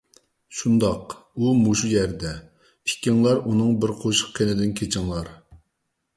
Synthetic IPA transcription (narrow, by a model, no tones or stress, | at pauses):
ʃund̪ɑqumuʃujɛɾd̪ɛ | pʰi̥kʲiŋlˠɑɾunɨŋbɪɾqʰoʃə̥qkʰʲenɪd̪ɪnkʲʰet͡ʃʰɪŋlˠɑɾ